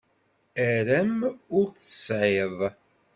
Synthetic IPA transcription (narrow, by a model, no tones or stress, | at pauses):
æɾæmʊɾθə̥sʕeðˤ